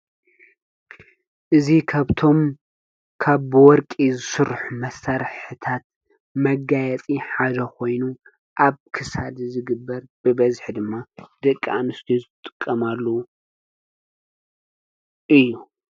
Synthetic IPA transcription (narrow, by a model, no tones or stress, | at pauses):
ʔɨzikʰaβt̪ʰo̞m | kʰaβwɔɾkʼizɨsɨɾħumɐsaɾħɨt̪ʰat̪̚ | mɐɡajɛt͡sʼiħad̪ɐkʰo̞jnu | ʔaβkʰɨsad̪zɨɡɨbːɐɾb̥ɨbɐzħd̪ɨmːad̪ɨkʼːa̰nɨst̪ʰuzɨt̪ʼɨkʼːɐmalːɐ | ʔɨjːu